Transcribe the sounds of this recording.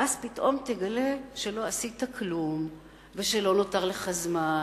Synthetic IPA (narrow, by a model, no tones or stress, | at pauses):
ʔazpitʔo̞mteɡale̞ʃe̞lo̞asitaklum | ve̞ʃe̞lo̞no̞taʁle̞χazma